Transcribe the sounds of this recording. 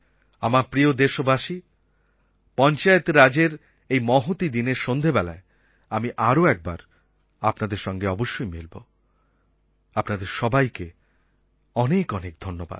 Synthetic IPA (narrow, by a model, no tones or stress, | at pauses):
amapɾiod̪eʃobaʃi | pɔnt͡ɕaet̪ɾad͡ʑeɾ | ejmɔɦot̪id̪ineɾʃond̪ʱebɛla̰e | amiʔaɾoɛk̚ba̰ɾ | apnad̪eɾʃɔŋɡeɔboʃːojmelbo | apnad̪eɾʃɔbajke | ɔnekɔnek̚d̪ʱonːoba̰d̪̥̚